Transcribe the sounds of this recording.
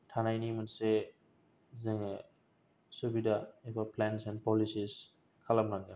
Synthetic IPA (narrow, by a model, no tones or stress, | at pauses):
tʰanajnimanse | ziŋ | subidaebaplensɛnpɔlisis | kʰalamɾaŋɡa